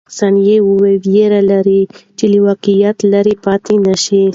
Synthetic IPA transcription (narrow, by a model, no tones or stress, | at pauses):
sɑnjewuwewjeɾalaɾit͡ʃeliwɑqijat̪laɾipɑt̪inaʃi